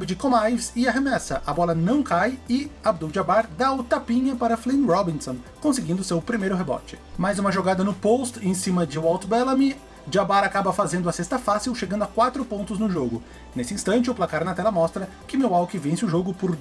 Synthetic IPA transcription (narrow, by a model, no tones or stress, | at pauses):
bɪd͡ʒɪkõmajvsɪɐɦemɛsɐʔɐbɔlɐnɐ̃w̃kajɪabd̪uwd͡ʒiabaɾd̪aʊt̪apĩɲɐpaɾɐflẽnɾɔbĩnsõkõsɪɡĩnd̪ʊsewpɾimejɾʊɦebɔ̰t͡ʃɪ̥majzũmɐʒoɡad̪ɐnʊpost̪ẽsĩmɐd͡ʒɪwawt̪bɛlɐmi | d͡ʒiabaɾakabɐfazẽnd̪ʊɐsest̪ɐfasiwʃeɡɐ̃nd̪ʊakwat̪ɾʊpõnt̪ʊznʊʒoɡʊ | nesɪĩst̪ɐ̃nt͡ʃɪʊplakaɾnɐt̪ɛlɐmɔst̪ɾɐ | kɪmewawkɪvẽsɪʊʒoɡʊpʊɾ